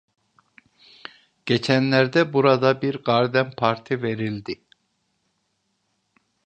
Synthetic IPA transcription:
ɟ̥e̞t͡ʃʰænlʲæɾd̪ɛbuɾad̪abiɾɡaɾd̪ænpʰaɾt̪ʰive̞ɾilʲd̪ɪ

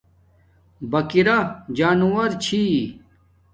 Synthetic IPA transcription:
bɐkiɾad͡ʑaːnuwɐɾt͡ɕʰi

